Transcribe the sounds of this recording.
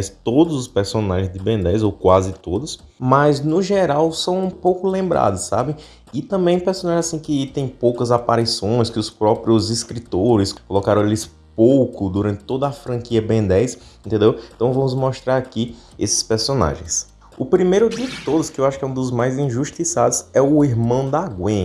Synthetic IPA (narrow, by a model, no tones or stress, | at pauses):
st̪od̪ʊzʊspeɾsõnaʒẽj̃zd̪ɪbẽnd̪ɛjzowkwazɪt̪od̪ʊsmɐznʊʒɛɾawsɐ̃w̃ũpowkʊlẽmbɾʔa̰d̪ʊssa̰bẽ | ɪt̪ɐ̃mbẽj̃peɾsõnaʒẽzasĩkɪt̪ẽj̃powkɐzapaɾisõj̃skɪʊspɾɔpɾjʊziskɾit̪oɾɪskolɔkaɾɐ̃w̃elɪs | powkʊd̪uɾɐ̃t̪ɪ̥t̪od̪ɐːfɾɐ̃kiɐbẽnd̪ɛjseẽnt̪ẽnd̪ewẽt̪ɐ̃w̃vɐ̃mʊzmɔʃt̪ɾaɾaki | esɪ̥speɾsõna̰ʒḛ̃j̃s | ʊpɾimejɾʊd̪ɪt̪od̪ʊskɪewaʃʊkɛũd̪ʊzmajzĩʒuʃt̪isad̪ʊzɛʊiɦmɐ̃w̃d̪aɡwẽ